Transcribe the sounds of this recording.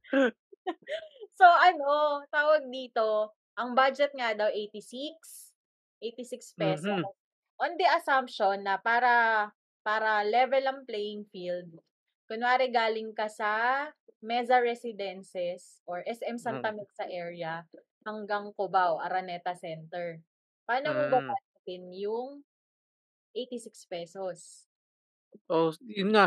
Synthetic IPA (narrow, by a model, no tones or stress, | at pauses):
so̞ʔɐnot̪aːwɐɡ̚d̪iːt̪o̞ | ʔɐŋbad͡ʒɛt̪̚ŋɐd̪ɐwʔejt̪ɪsik̚s | ʔejt̪ɪsikspɛsos | ʔond̪iʔɐsamp̚ʃonːɐpaːɾɐ | paːɾɐlɛvɛlɐmplɛjɪŋfild̪̚ | kʊnɐʔaːɾɛɡaːlɪŋkɐsɐ | mɛzɐɹɛsɪd̪ɛnsɛs | ʔoɹʔɛsɛmsɐnt̪ɐmɛt̪̚sɐʔɛːɹjɐ | hɐŋɡɐŋkobawʔɐɾɐnɛːt̪ɐsɛnt̪ɛɹ | paːnomubakanat̪ɪnjʊŋ | ʔejt̪isɪkspɛːsos | ojʊnŋa